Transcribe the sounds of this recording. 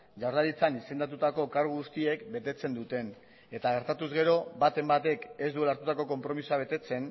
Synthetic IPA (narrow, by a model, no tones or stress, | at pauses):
ʝawɾð̞aɾit͡sanise̞nd̪at̪̬ut̪ako̞kaɾɣuɣust̪ie̞kbe̞t̪e̞t͡se̞nd̪ut̪e̞n | e̞t̪aɣ̞e̞ɾt̪at̪uzɣe̞ɾo̞bat̪e̞mbat̪e̞ke̞szd̪ue̞laɾt̪ut̪ako̞ko̞mpɾo̞misoaβ̞e̞t̪e̞t͡se̞n